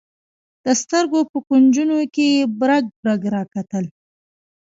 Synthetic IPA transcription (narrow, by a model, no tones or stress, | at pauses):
d̪̥əst̪əɾɡopəkund͡ʒunokejebɾaɡ̚bɾaɡɾɑkat̪əl